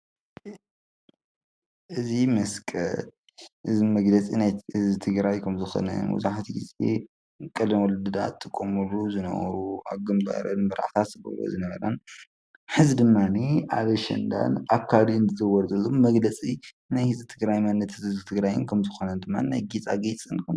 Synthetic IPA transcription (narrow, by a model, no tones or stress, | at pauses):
ʔɨzimɐskʼɐ̰t̪ | ʔɨzimɐɡlɐt͡sʼinajhɨzɨt̪ʰɨɡɾajkʰɐmzɨxo̰nɐ̰nmṵzaħat̪ʰiɡizḛ | kʼɐlnwɔlɨd̪ɨd̪a̰t̪ʰʼːɨkʼːomɨluzɨnɐ̰wɐ̰ɾua̰βɡɨmba̰ɾɐ̰nmɐɾa̰ʕt̪ʰat̪zɨɡɐ̰lo̰zɨnɐβɐɾɐn | ħɨzid̪ɨmːaniʔaβɐʃɐ̰nd̪a̰nakʰːaliɨnzɨzɐwɔɾzɐlːommɐɡlɐt͡sʼi | najhɨzʼɨt̪ʰɨɡɾajmɐnːɐt̪ʰɨzɨt̪ʰɨɡɾajɨ̰nkʰɐmzɨxonɐnd̪ɨmːanna̰jɡit͡sʼa̰ɡet͡sʼɨnkʰɐ